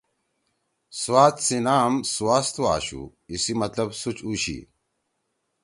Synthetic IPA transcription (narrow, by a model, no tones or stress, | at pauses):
swaːt̪sinaːmsuwaːst̪ua̰ːɕṵ | isimɐt̪lɐbsut͡ɕuɕḭ